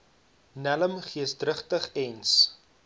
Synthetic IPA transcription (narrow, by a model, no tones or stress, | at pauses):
næləmχiəsdrəχtəχɛns